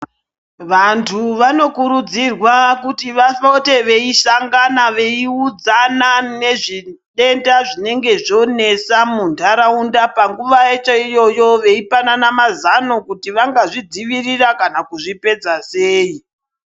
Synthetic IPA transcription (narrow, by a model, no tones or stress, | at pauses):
ʋantʰuʋano̞kuɾud͡zirwakutiʋafote̞ʋe̞iʃaŋɡanaʋe̞iud͡zanane̞ʐiɗe̞ndaʐine̞ŋɡe̞ʐo̞ne̞samundaɾaundapaŋɡuʋaet͡ʃaijo̞jo̞ʋe̞ipananamazano̞kutiʋaŋɡaʐid͡ziʋirirakanakuʐipe̞d͡zaseːi